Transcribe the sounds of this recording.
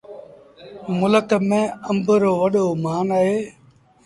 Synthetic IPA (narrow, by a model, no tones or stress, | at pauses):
mʊləkəmẽːəmbʱɾoːʋəɗoːmaːnaːɦeː